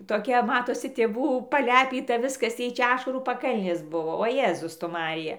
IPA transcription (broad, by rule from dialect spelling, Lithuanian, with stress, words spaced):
toːˈkʲɛ ˈmɑːtoːsʲɪ tʲeːˈʋuː pɐˈlʲæːpʲiːtɐ ˈʋʲɪskɐs ˈjɛɪ ˈt͡ʃʲɛ ˈɑːʃɐruː pɐˈkɐlʲnʲeːs ˈbʊʋoː oː ˈjeːzʊs tʊ ˈmɑːrʲɪjɛ